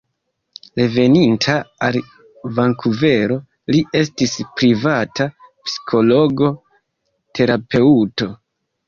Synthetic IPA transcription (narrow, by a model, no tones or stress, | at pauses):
le̞ve̞nintʰaal | vaŋkuve̞ɾo̞ | liʔe̞stispɾivatapsi̥kʰo̞lo̞ɡo̞ | tʰe̞ɾape̞uto̞